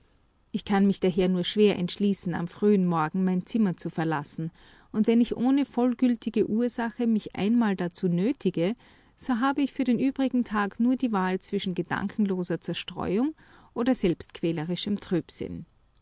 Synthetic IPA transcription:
ʔɪçkʰanmɪçd̥aɦeːɐnuːɐʃv̥eːɐʔɛ̰ntʃliːsn̩a̰mfʁ̥yːənmɔɐɡŋ̩maɪnt͡sɪmɐt͡sufɛɐla̰sn̩ | ʔʊntvɛnɪçʔoːnəfɔlɡʏltʰɪɡəʔuːɐzaxəmɪçʔa̰ɪnmaːldat͡suːnøːtʰɪɡə | z̥oːɦaːbəɪçfyːɐɾeːnʔyːbʁɪɡŋ̩tʰaːknuːɐdiːvaːlt͡sv̥ɪʃn̩ɡəd̥a̰ŋkʰn̩loːzɐt͡sɛɐʃtʁ̥ɔ̰ʏʊŋ | ʔoːdɐzɛlpstkʰv̥ɛːləʁɪʃəmtʁ̥yːpsɪ̰n

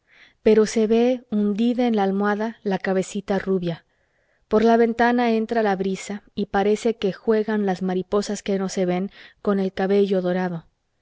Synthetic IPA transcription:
pe̞ɾo̞se̞βe̞und̪iðaenlaːlmwaðalakaβe̞sit̪aruβja | po̞ɾlaβe̞nt̪anae̞nt̪ɾalaβɾisaipaɾe̞se̞ke̞xwe̞ɣanlazmaɾipo̞saske̞no̞se̞βe̞ŋko̞ne̞lkaβe̞ʝo̞ðo̞ɾaðo̞

